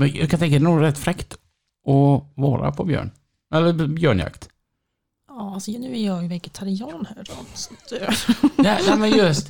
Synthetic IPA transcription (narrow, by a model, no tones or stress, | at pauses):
mɛjɑ̰kʰant̪ɛŋk̬ad̪ɛnuːɡɾɛt̪ːfɾɛkt̪ | ʔɔvɑ̰ːɾa̰pʰɔbjœ̰ːɳ | ɛlːəɾbjœːɳja̰kt̪ | ɑːasɔnʉ̟ːæɾjɑjvɛɡɛt̪ʰaɾɪɑːnhæːɾɔd̪sɔ̥t̪ | nɛnɛmɛnjɵst̪